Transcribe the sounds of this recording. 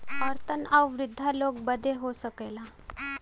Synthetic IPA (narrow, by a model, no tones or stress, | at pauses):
əɾt̪ʰənəwʋɾid̪ʱːalok̚bəd̪ʱeɦosəkəjla